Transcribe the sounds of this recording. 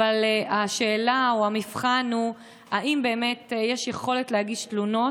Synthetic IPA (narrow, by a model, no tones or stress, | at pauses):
valaʃe̞ːlaoamifχanhu | aʔimbe̞ːmetjeʃjeχo̞letleaɡiʃtluno̞